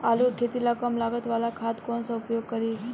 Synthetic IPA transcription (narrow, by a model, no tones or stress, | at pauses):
alukʰet̪ilakəmlaɡət̪ʋalakʰat̪konsəʊpjoɡ̚kəɾi